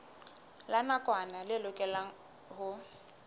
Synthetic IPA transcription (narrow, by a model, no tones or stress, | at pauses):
lanakʼwanalɪlʊkʼɛla | hʊ